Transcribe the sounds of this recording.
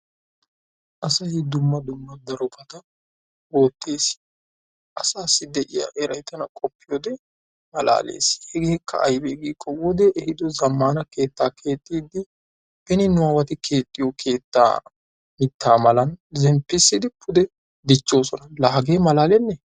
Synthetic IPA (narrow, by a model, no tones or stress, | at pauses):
ʔɐsɐjɪd̪ʊmːɐd̪ʊmːɐd̪ɐɾɔpɐt̪ɐ | wo̞ːt̪ʰːe̞ːs | ʔɐsaːsːɪd̪ɛʔɪjɐ̰ʔɛɾɐjt̪ɐnɐkʼɔpːɪjoːd̪ɛ | mɐlʔa̰ːlḛːshɛɡeːkʰːɐ̰ʔɐjbɛɡiːkʼːɔwoːd̪ɛʔːhɪd̪ɔzɐmːaːnɐke̞ːt̪ːaːkʰe̞ːt̪ʼːiːd̪ɪ | ʔɛnɪnʊawɐt̪ɪkʰe̞ːt̪ʼːɪjɔkʰe̞ːt̪ːa̰ː | mɪt̪ːaːmɐlɐnzɛmpːɪsːɪd̪ɪpʰʊd̪ɛ | d̪ɪt͡ʃːo̞ːsɔnɐlɐɦɐɡeːmɐlaːlɛnːɛ